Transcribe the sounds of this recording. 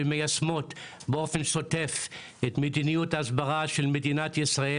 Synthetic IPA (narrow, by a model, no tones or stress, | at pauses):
emejasmo̞t | beo̞fe̞nʃo̞te̞f | etmedinijutaːsbaʁaʃelmedinatjisʁae